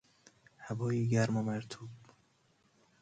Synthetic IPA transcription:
hæbɒːjiːɡæɾmɒmæɾt̪ʰuːb

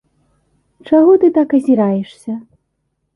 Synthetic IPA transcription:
t͡ʂaɣɔt̪ɨt̪akɐzʲiɾajɛʂsʲɐ

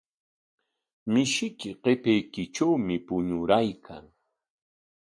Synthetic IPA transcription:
mɪʃɪkɪqepejkɪʈ͡ʂawmɪpʊɲʊɾajkʰa̰ŋ

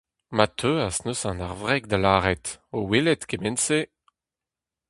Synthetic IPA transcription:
mat̪ʰøasnosɑ̃naʁvʁɛɡ̚d̪alaːʁɛt̪owelɛt̪kemɛnse

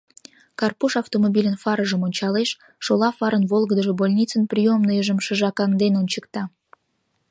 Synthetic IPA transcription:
kɑrpuʃɑwt̪omobʲilʲənfɑɾəʒəmonʲt͡ɕɑleʃː | olɑfɑɾənβolˠɡəd̪əʒebolʲnʲit͡sənprʲijomnəjəʒəmʃəʒɑkɑŋd̪enonʲt͡ɕəkt̪ɑ

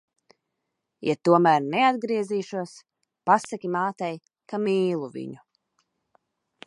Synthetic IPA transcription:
jat̪uɔmæɾnɛad̪̚ɡɾiɛziːʃuɔs | pasakʲimaːt̪ɛj | kamiːlˠuvḭɲu

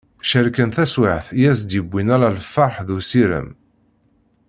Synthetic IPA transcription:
ʃəɾkənθæswaʕθjæsd̪jəbːinæɾalfɑɾħðusiɾə̰m

